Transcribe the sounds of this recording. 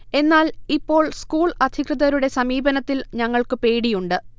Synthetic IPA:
e̞nːaːlipːo̞ːɭskuːɭɐd̪ʱikrɨðɐɾuɽe̞sɐmiːbɐnɐt̪ːilɲɐŋːɐɭkɨpe̞ːɽijuɳɖɨ

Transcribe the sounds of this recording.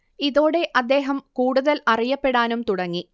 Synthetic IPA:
iðo̞ːɽe̞ʔɐd̪ːe̞ːɦɐmkuːɽuðɐlɐrijɐpːe̞ɽaːnumt̪uɽɐŋːi

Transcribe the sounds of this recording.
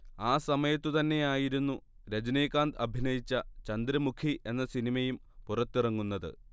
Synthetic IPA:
aːsɐmɐjɐt̪ːɨt̪ɐnːe̞jaːjiɾunːu | ɾɐd͡ʑɐneːkaːnd̪ɐbʱinɐjit͡ɕːɐt͡ɕɐnd̪ɾɐmukʰiʔe̞nːɐsinimɐjum | purɐt̪ːirɐŋːunːɐðɨ̰

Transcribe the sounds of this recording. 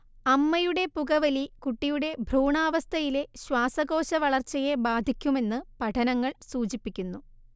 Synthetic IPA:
ɐmːɐjuɽe̞puɣɐʋɐlikuʈːijuɽe̞bʱruːɳaːʋɐst̪ʰɐjile̞ɕwaːsɐɣo̞ːɕɐʋɐɭɐrt͡ɕːɐje̞baːd̪ʱikʲːume̞nːɨpɐʈʰɐnɐŋːɐɭsuːt͡ɕipːikʲːunːu

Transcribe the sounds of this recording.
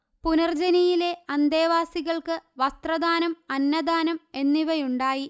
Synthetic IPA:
punɐrd͡ʑɐnijile̞ɐnd̪eːʋaːsiɣɐɭkɨʋɐst̪rɐd̪aːnɐmɐnːɐd̪aːnɐme̞nːiʋɐjuɳɖaːji

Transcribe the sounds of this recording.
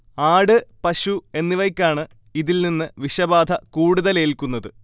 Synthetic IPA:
aːɽɨpɐɕue̞nːiʋɐjkʲːaːɳɨ | iðilninːɨʋiɕɐbaːd̪ʱɐkuːɽuðɐleːlkunːɐðɨ

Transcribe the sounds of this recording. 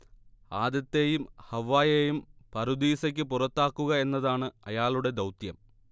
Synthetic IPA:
aːd̪jɐt̪ːe̞ːjumhɐʋːaːjejumpɐɾud̪iːsɐkʲːɨpurɐt̪ːaːkːuɣɐe̞nːɐðaːɳɨɐjaːɭuɽe̞d̪ɐwt̪jɐm

